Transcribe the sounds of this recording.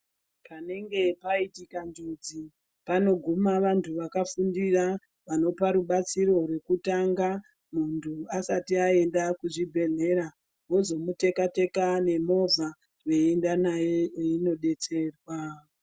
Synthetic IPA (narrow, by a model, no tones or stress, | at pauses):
pane̞ŋɡe̞paitikand͡ʒud͡zi | pano̞ɡʱumaʋantʰuʋakafundira | ʋano̞paɾuɓat͡siɾo̞rwe̞kutaŋɡa | muntʰuasatiae̞ndakuʐibʱe̞ɮe̞ɾa | ɦwo̞zo̞mute̞kate̞kane̞mo̞vʱa | rweendanajeino̞ɗe̞t͡se̞ːrwa